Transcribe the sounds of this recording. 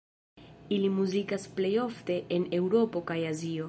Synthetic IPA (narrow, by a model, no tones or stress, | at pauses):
ilimuzikasple̞jo̞fte̞ʔene̞wɾo̞po̞kajazio̞